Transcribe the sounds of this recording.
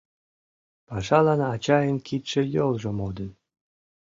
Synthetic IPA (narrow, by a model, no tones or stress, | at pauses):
pɑʐɑlˠɑnːt͡ɕɑjə̆nʲkit̪ʲʃɘ̆jolˠʐɤ̆mod̪ə̆n